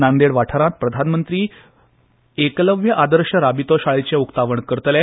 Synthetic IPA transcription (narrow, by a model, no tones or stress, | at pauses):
nand̪eɽʋaʈʰəɾãt̪̚pɾəd̪ʱanmənt̪ɾiː | ekləʋjəʔad̪əɾɕəɾabit̪ɔɕaɭit͡ɕeukt̪aʋəɳkəɾt̪le